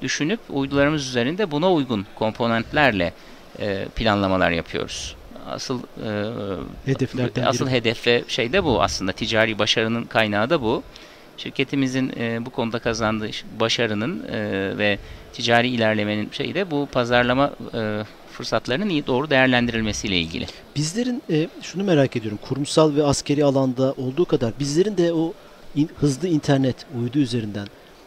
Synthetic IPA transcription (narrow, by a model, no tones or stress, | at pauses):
d̪yʃynypujd̪ulˠaɾɯmɯzyze̞ɾind̪ɛbunaujɡunkʰo̞mpʰo̞nɛnt̪lʲæɾlʲɛ̰ | ɛːpʰilʲanlˠamalˠa̰ɾja̰pʰɯjo̰ɾuz̥ | a̰sɯlˠː | asɯlˠɦe̞d̪ɛfvɛʃe̞jd̪ɛbua̰slˠɯnd̪at̪ʰid͡ʒaːɾiːbaʃaɾɯnɯnkʰajnaːd̪abu | ʃiɾcʰe̞t̪ʰimizinːbukʰo̞nud̪akʰazand̪ɯbaʃaɾɯnɯnɯvɛt̪ʰid͡ʒaːɾiːlʲæɾlʲe̞me̞ninʃe̞̰jid̪ɛbupʰazaɾlˠama | fɯɾsat̪ʰlˠaɾɯnɯnijid̪o̞ːɾud̪e̞jæɾlʲænd̪iɾilʲme̞sijlʲɛḭlʲɟʲḭlʲɪ̰ | b̥izlʲe̞ɾinɛʃunume̞ɾaːcʰed̪ijo̞ɾumkʰuɾumsalˠvɛascʰe̞ɾialˠand̪aʔo̞lˠd̪uːkʰad̪aɾbizlʲe̞ɾind̪ɛo | ihɯzlˠɯint̪ʰæɾnɛt̪ʰujd̪uːyze̞ɾind̪æn